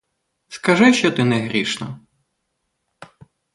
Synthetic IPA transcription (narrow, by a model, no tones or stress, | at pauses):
skɐʒɪʃt͡ʃɔt̪ɪnɛɦɾʲiʃnɔ